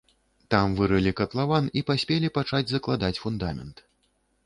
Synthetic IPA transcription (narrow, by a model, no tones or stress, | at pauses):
t̪amvɨɾɨlʲikɐt̪lˠavanipasʲpʲelʲipat͡ʂad͡zʲzɐklˠad̪at͡sʲfund̪amʲɛ̰nt̪